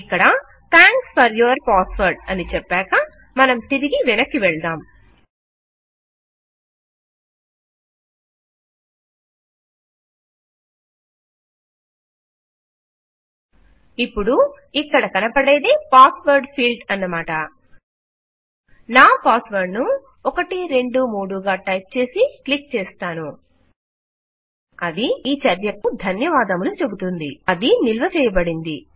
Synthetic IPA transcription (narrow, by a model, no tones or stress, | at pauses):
ikːɐɽɐ | t̪ʰaːŋkspʰɐɾjuɐɾpaːspɐɾɖɐnit͡ʃɛpːɛːkɐ | mɐnɐmt̪iɾiɡiʋɛnɐkːiʋɛɭd̪aːm | ipːuɽu | ikːɐɽɐkɐnɐpɐɽeːd̪epaːsʋɐɾɖpʰiːlɖɐnːɐmaːʈɐ | naːpaːsʋɐɾɖnu | ɔkɐʈiɾe̞ɳɖumuːɽuɡaːʈɐjp̚t͡ʃe̞ːsiklik̚t͡ʃɛːst̪aːnu | ɐd̪iiːt͡ʃɐɾjɐkud̪ʱɐnjɐʋaːd̪ɐmulut͡ʃe̞but̪und̪iɐd̪inilʋɐt͡ʃɛːjɐbɐɽind̪i